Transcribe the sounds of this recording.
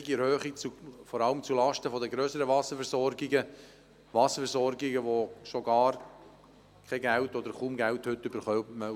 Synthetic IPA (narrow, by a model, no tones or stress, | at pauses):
ɡiɛɾhøːχikt͡sufɔɾɑləmt͡sulɑʃtəfɔdəɡɾøːsəɾəvɑsəfɛɾsɔɾɡiɡə | ʋɑsəfɛɾsɔɾɡiɡəʋosoɡɑːɾ | kʰɛɡæltɔd̪əɾχuːmɡælthʏt̪ːʏbəɾχœmə